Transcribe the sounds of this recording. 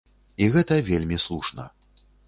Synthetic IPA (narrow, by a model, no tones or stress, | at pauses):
iɣɛt̪ɐvʲelʲmʲislˠuʂnɐ̰